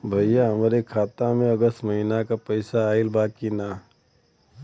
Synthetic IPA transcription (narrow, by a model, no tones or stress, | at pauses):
bʱəjjaɦəmɾekʰaːt̪amẽəɡəst̪məɦinakapəɪsaːɪlbaːkina